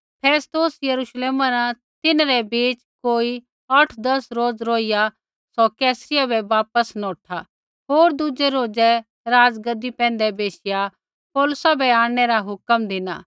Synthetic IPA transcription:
pʰɛːst̪oːsjɐɾuʃleːmãɾã | t̪ɪnɾɛbiːt͡ʃkoːi | ɐʈʰd̪ɐsɾoːd͡zɾoːija | sɔkɛːsɾɪjabɛʋaːpəsnɔ̃ːʈʰa | ɦoːɾd̪ʊd͡ʒɛɾoːd͡ʒɛ | ɾaːd͡ʒɡəd̪ːipɛ̃ːn̆d̪ɛbeːʃɪja | poːlʊsabʱɛaːɽ̃ɛɾaɦʊkəmd̪ɪna̰ː

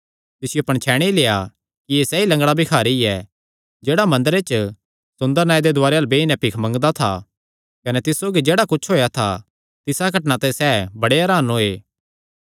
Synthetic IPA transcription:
t̪ɪsɪjoɐpɐɽ̃t͡ʃʰɛːɽ̃ileːja | kijesɛːilɐ̃ŋɡɭabʱikʰaːɾiɛ | d͡ʒeːɽamɐ̃nd̪əɾet͡ʃ | sʊ̃nd̪əɾnaːid̪ed̪ʊaːɾeɐlbeɪnɛ̃pɪkʰmɐ̃ŋɡd̪at̪ʰa̰ | kɐnɛt̪ɪssoːɡid͡ʒeːɽakʊt͡ʃʰɦoːjat̪ʰa | t̪ɪsaɡʱɐʈnãt̪ɛ̃sɛːbɐɽeɦɐɾaːnɦoːeː

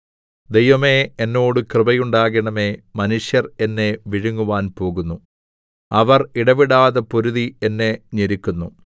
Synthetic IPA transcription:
d̪ejʋɐme̞enːo̞ːɽɨkrɨbɐjuɳɖaːɣɐɳɐme̞mɐnuʂjɐre̞nːe̞ʋiɻuŋːuʋaːnpo̞ːɣunːu | ɐʋɐriɽɐʋiɽaːðɐpoɾuðienːe̞ɲeɾikʲːunːu

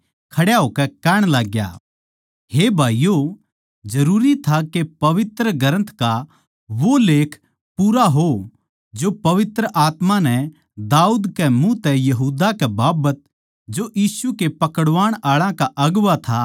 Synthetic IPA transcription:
kʰɐɽjaɦoːkɛkɛːɽ̃laːɡja̰ | ɦebʱaːijo | d͡ʒɐɾuːɾit̪ʰakepɐʋɪt̪ɾəɡɐɾə̃nt̪ʰka | ʋoleːkʰ | puːɾaɦo | d͡ʒopɐʋɪt̪ɾəʔaːt̪manɛ | d̪aːuːd̪kɛmũt̪ɛjɐɦuːd̪akɛbaːbət̪̚ | d͡ʒoʔjiːsukepɐkəɽʋaːɽ̃aːɭãkaʔɐɡʋat̪ʰa

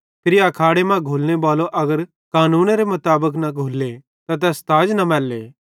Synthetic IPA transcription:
pʰɪɾɐkʰaːɽemãɡʱuːlnebaːloʔɐɡəɾ | kaːnũːnɾemʊt̪aːbək̬nɐɡʱuːlːe | t̪at̪̬ɛst̪aːd͡ʒnɐmɛːlːe

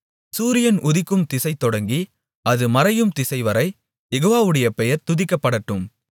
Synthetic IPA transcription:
suːɾɪjɐnʔʊðɪkːɯmt̪ɪsɐɪt̪ːɔɽɐŋɡi | ɐðɯmɐɾɐjɯmt̪ɪsɐɪʋɐɾɐɪ | jɛɣoːʋaːʋɯɽɐjɐpɛjɐɾt̪ʊðɪkːɐpːɐɽɐʈːɯm

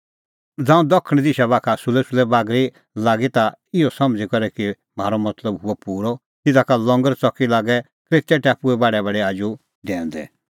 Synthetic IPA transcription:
d͡zãːũd̪ɔkʰːəɽ̃d̪iʃabaːkʰasulɛsʊlɛbaːɡɾi | laːɡit̪aɪjɔsɐmd͡zikɔɾɛki | m̤aːɾɔmɐt̪ləbɦʊɔpuːɾɔ | t̪ɪd̪akalɔ̃ŋɡəɾt͡sɔkːilaːɡɛ | kɾeːt̪jaʈɛpuɛbaːɽɛbaːɽɛaːd͡ʒu | d̪ɛ̃ːnd̪ɛ̰

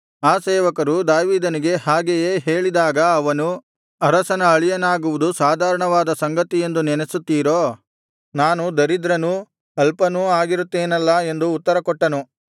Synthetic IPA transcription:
aːsɛːʋɐkɐɾud̪aːʋiːd̪ɐniɡe̞ɦaːɡejeːɦe̞ːɭid̪aːɡɐːʋɐnu | ɐɾɐsɐnɐɐɭijɐnaːɡuʋud̪usaːd̪ʱaːɾɐɳɐʋaːd̪ɐsɐŋɡɐt̪ije̞nd̪unɛnesut̪ːiːɾoː | naːnud̪ɐɾid̪ɾɐnu | ɐlpɐnuaːɡiɾut̪ːeːnɐlːɐe̞nd̪uːt̪ːɐɾɐkɔʈːɐnu

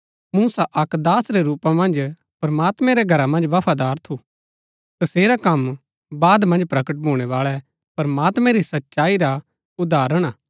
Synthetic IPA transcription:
muːsaʔɐkd̪aːsɾɛɾuːpãmɐ̃nd͡ʒ | pɐɾmaːt̪mɛ̃ɾɛɡʱɐɾamɐ̃nd͡ʒʋɐpʰaːd̪aːɾt̪ʰu | t̪ɐseːɾakɐm | baːd̪mɐ̃nd͡ʒpɾɐkəʈ̚bʱuːɽ̃ɛʋaːɭɛ | pɐɾmaːt̪mɛ̃ɾisɐtːʃaːiɾa | ʊd̪aːɾəɽ̃aː

